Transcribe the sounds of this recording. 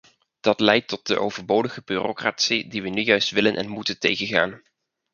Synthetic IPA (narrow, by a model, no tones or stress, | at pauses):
d̥ɑtlɛjtɔt̚d̥ə̰ʔowvəɹbowdəχəbyːrokratsidiʋənyjœɥstʋɪlənʔɛ̰nmutəntejχənχa̰ːn